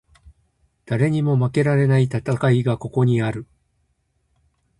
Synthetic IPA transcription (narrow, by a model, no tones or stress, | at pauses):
d̪̥aɾe̞ɲ̟imo̞make̞ɾaɾe̞nait̪at̪akaiɡako̞ko̞ɲ̟iaɾɯ̟